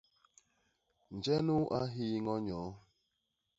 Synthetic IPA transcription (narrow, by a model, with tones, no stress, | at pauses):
n̩˨d͡ʒe˦nu˦ʔa˦ɦi˦ŋɔ˦ɲɔː˨˦